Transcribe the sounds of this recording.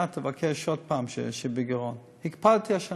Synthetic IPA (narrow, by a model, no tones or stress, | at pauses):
atəvakʰɛʃod̪̚paːmʃḛʃebiɡeʁon | hikpalt̪iaʃa